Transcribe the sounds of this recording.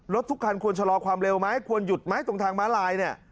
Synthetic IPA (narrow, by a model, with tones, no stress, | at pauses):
ɾo˦˥t̪ʰːu˦˥kʰːa˧nkʰu˧ənt͡ɕʰa˧lɔː˧kʰwaː˧mɾe˧wma˦˥jkʰu˧ənju˨˩t̪̚ma˦˥˩jt̪o˧ŋt̪ʰaː˧ŋbaː˦˥nlaː˧jni˥˩ɐ